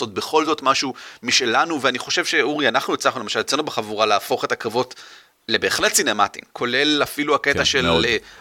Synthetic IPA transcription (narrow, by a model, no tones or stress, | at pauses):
so̞t̚beχo̞lzo̞tmaʃumiʃe̞lanuveaniχo̞ʃe̞vʃe̞uʁianaχnujet͡slaχnulemaʃalet͡senubeχavuʁalaːfo̞χetakavo̞t | le̞be̞ːχle̞tsinema̰tḭmkʰo̞le̞lafiluakeaʃelale